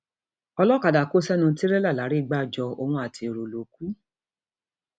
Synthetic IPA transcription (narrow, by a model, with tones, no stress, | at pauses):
ɔ˧lɔ˦ka˨da˨ko˦sɛ˦nũ˧˦ti˦ɾɛ˦la˦˨la˨˦ɾi˦˧˨ɡ͡ba˦˨d͡ʒɔ˧o˧w̃ɔ̃˧a˨tʰi˧˨ɾo˨lo˨ku˦